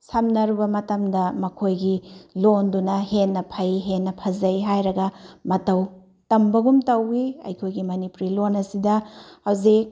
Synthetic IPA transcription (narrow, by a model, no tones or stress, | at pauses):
sɐmnɐɾubɐmɐtɐmdɐmɐkʰojɡilondunɐhenːɐpʰɐjɦenːɐpʰɐzɐjɦajɾɐɡɐmɐtɐw | tɐmbɐɡumtɐwiɐ̰jkʰojɡimɐnipɾilonɐsidɐhɐwzik̚